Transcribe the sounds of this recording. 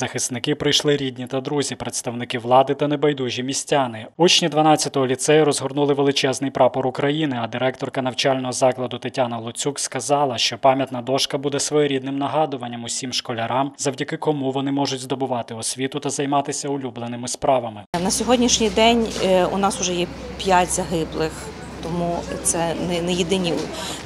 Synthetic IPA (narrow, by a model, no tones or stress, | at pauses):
z̥ɐxɪst̪nɪkɪpɾɪjʃlˠɪɾʲid̪ʲnʲit̪ɐd̪ɾuzʲipɾet̪st̪ɐwnɪkɪʋlˠɑd̪ɪt̪ɐnebɐjd̪uʒʲimʲisʲtʲanɪut͡ʃnʲid̪ʋɐnɑt͡sʲːɐt̪ɔɦɔlʲit̪sɛjɐɾɔzɦɔrnulˠɪʋelˠɪt͡ʃɛznɪjpɾɑpɔɾʊkɾɐjinɪɐd̪ɪɾɛk̚t̪ɔrkɐn̪ɐwt͡ʃɑlʲnɔɦɔzɑklˠɐd̪ʊt̪ɪtʲanɐlˠʊt͡sʲukskɐzɑlˠɐʃt͡ʃɔpɑmʲjɐt̪nɐd̪ɔʃkɐbud̪ɛsʋɔjɔɾʲid̪̚nɪmnɐɦɑd̪ʊʋɐnʲːɐmʊsʲimʃkɔlʲɐɾɑmzɐwdʲɐkɪkɔmuʋɔnɪmɔʐʊtʲzd̪ɔbʊʋɑt̪ɪɔsʲʋʲit̪ʊt̪ɐzɐjmɑt̪ɪsʲɐʊlʲublˠenɪmɪspɾɑʋɐmɪnɐsʲɔɦɔdʲnʲiʃnʲijd̪ɛnʲʊ̰nɑsʊʒɛjɛ | pʲjatʲzɐɦɪblˠɪx | t̪ɔmut̪sɛnɛnɛjed̪ɪnʲi